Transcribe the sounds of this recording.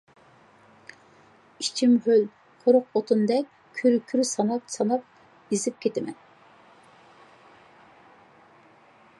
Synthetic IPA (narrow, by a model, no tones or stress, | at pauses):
it͡ʃʰimhøl | qʰoɾʊqot̪ʰund̪ɛk̚ʲ | kʲʰyɾkʲʰyɾsɑnɑpsɑnɑp̚ | izɪp̚kʲʰet̪ʰɪmɛ̰n